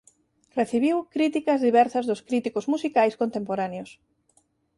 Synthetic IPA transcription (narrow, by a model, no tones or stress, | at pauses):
reθiβiwkɾit̪ikɐzðiβɛɾsɐzðʊskɾit̪ikozmusikajskont̪empoɾaneos